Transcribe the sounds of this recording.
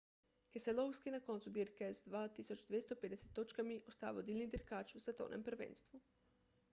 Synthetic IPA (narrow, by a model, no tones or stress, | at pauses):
keselowskinako̞nt̪sud̪iɾkezd̪ʋaːt̪isot͡ʃd̪ʋjest̪oped̪eset̪ːot͡ʃkamiʔost̪a̰ːʋod̪iːlʲnid̪iɾkaːt͡ʃusat̪o̰ːnʔempr̩ʋḛːnst̪ʋu